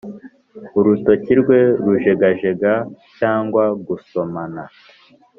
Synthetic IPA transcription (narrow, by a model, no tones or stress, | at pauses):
uɾuto̞ciɾɡwe̞ɾuʒe̞ɡaʒe̞ɡacaːŋɡwaɡuso̞mana